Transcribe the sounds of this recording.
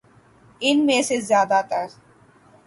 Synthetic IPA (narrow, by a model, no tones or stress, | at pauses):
inmeːsezzjaːd̪at̪aɾ